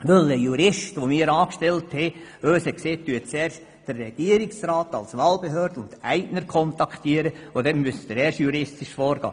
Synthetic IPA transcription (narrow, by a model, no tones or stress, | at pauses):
ʋøləjuɾɪʃtʋomɪːɾɑːkʃtɛlthɛøːshɛkseːt̪ːyətt͡sɛːɾʃ | d̥ərːɛɡ̥iəɾɪksɾɑːtɑ̰lsʋɑːlb̥eɦøːɾd̥əʊntæɪnəɾkʰɔntɑkχt̪iəɾəʋod̪ɛnmysdəɾɛːɾʃjuɾɪstɪʃfɔːɾɡ̥ɑ̰ː